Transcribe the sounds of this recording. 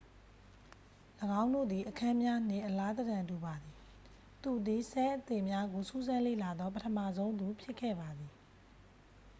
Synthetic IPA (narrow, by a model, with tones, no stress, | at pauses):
ləɡã˦ʊ̃ndo̰˦˨d̪ði˨ʔəkʰã˦mja˦n̥ɪ̰̃˦˨ʔəla˦d̪ə˨ɡã˨ntu˨ba˨d̪i˨ | t̪u˨d̪i˨sʰɛ˦ʔət̪ɪ˦˨mja˦ɡo˨su˦zã˦lḛ˦˨la˨d̪ɔ˦p̬ətʰə˨mä̰˦˨zõ˦ʊ̃nd̪u˨pʰjɪ˦ʔkʰːɛ̰˦˨ba˨d̪ði˨